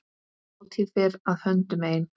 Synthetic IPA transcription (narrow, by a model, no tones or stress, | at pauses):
t̪ʰiðvɪɾaðhœnt̪ʏmeːjn